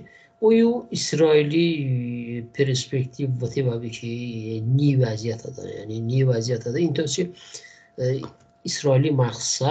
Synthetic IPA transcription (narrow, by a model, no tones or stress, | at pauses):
ujuisɾɔili | pʰeɾspekt̪ʰivːət̪ʰivabikʰinivazijat̪ʰad̪a̰ja̰ninivazijat̪ʰad̪aint̪ʰɔsi | isɾɔilimaqsa